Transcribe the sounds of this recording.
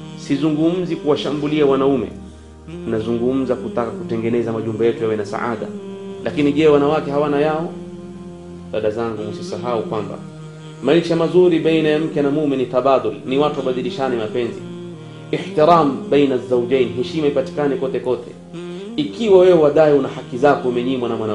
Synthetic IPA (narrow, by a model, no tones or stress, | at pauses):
sizuŋɡum̩zikuwaʃambuliawanaumɛ̰ | unazuŋɡum̩zakutakakutɛŋɡɛnɛzamaʄumbɛjɛtujawɛnasa̰ʔa̰ɗa̰lakiniʄɛwanawakɛɦawanajaɔ | ɗaɗazaŋɡuusisaɦaukwamba̰ | maiʃamazuɾiɓainajam̩kɛnamuminit̪aɓaːd̪ʊlniwatuwaɓaɗiliʃanimapɛnzḭ | iħt̪iɾambɛjnazːawd͡ʒɛjniɦɛʃimaipati̥kanɛkɔtɛkɔtʰɛ | ikʰiwawɛɔwaɗaiunahakizakɔumɛɲimwanamwana